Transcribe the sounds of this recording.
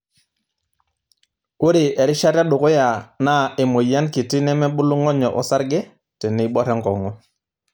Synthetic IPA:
ku˦ɾi˨e˨ɾi˦ʃa˦ɾa˦ɗʊ˨ko˦ja˨na˦˨e˨mo˨ja˦nki˨ti˦nɛ˦mɛ˦ɓu˦lu˦ŋɔ˦ɲɔ˨ʔɔ̰˦sa˦ɾɡɛ˦ | tɛ˨ni˨˦ɓɔ˦ɾɛ˦ŋkɔ˨ŋɔ˦

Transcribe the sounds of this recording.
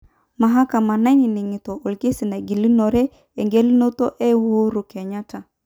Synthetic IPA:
ma˨ɦa˦ka˨ma˨na˦i˦ni˨ni˨ŋi˨to˨o˨lke˦si˨na˨ɡi˨li˦no˨ɾe˦ | e˨ŋɡe˦li˦no˦to˦ʔe˦wo˦ɾu˨ke˨ɲa˦ta˨

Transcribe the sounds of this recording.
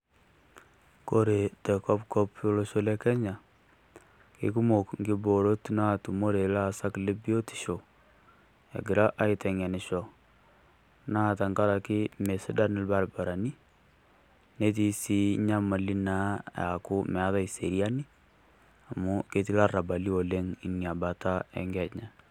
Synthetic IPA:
ko˦ɾe˨tɛ˨kɔ˦pkɔ˦po˦lo˦ʃo˦le˦kɛ˦ɲa˨ | kḭ˨ku˦mo˨kŋɡi˦bo˨ɾo˦tna˦tu˨mo˦ɾe˨la˦sa˦kle˦bi˦o˦ti̥˨ʃo˨ | a̰˨ɡɪ˨ɾa˦ʔa˦ɪ˦tɛ˨ŋa˨nɪ˨ʃɔ˨ | na˦˨ta˨ŋɡa˦ɾa˨kɪ˦me˨sɪ˦da˦nɪ˦lba˦lba˨ɾa˨ni˦ | ne˦t̬i˦si˦ɲa˦ma˨li˦na˦ja̰˨kʊ˦mɛ˨a˦ða˦i˨se˨ɾia˦ni˦ | a˨mu˦ke˦t̬i˦la˦ra˨ba˨li˦o˨le˦ŋi˨ni˨a˨ba˨ta˦ɛ̰˨ŋɡɛ˨ɲa˨

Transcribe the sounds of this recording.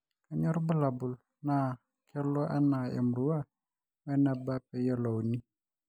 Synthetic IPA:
ka˨ɲɔ˦ɾbə˦la˨bu˨l | na˨ | kʰɛ˦lɔ˦ʔa˦na˨ɛ̰˨mɾu˦wa˦ | wɛ˦na˨ba˦pɛ˨ja˦lo˨wni˦

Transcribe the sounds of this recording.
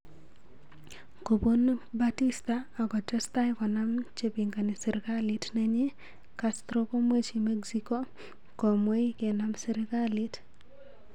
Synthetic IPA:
ko˨bo˦nba˦ti˦staa˨ɡɔ˨tɛ˦sta˦jkɔ˨na˦mt͡ʃe˦pi˨ŋɡa˨nɪ˨sɛ˨ɾɪkalitnɛ˦ɲe˦ | kast̪ɾo˦ko˦mwe˦t͡ʃime˦ɡsiko˦ | ko˨mwe˦i˦ke˨namsɛ˦ɾɪkali˦t

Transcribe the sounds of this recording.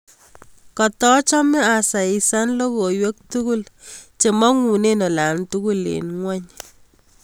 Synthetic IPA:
kɔ˨tɔ˦t͡ʃɔ˦mɛ˦a˨sa˨i˨sa˦nlo˦ko˨jwe˦k̚tu˦ku˦lt͡ʃe˨mɔ˦ŋu˨ne˦nɔ˨la˨ntu˦ku˦lḛ˨nŋwɛ˦ɲ

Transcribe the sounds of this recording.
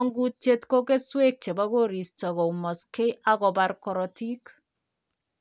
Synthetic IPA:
ŋɡu˦t͡ʃe˦tko˦ke˦swe˦k̚t͡ʃe˨ba˦ko˦ɾi˨stɔ˨kɔ˨mɔ˨ske˦ʔa˦kɔ˨ba˦ɾkɔ˨ɾɔ˨ti˦k

